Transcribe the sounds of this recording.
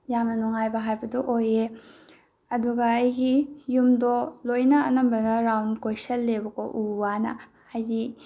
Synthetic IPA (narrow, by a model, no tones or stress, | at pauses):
jamnɐnuŋajbɐɦajbɐdɔʔoje | ɐduɡɐːjɡijumdɔlojnɐɐ̰nɐmbɐɡɐɾawndkojsɐlːebɐkoʔuwanɐ̰ | ajɡi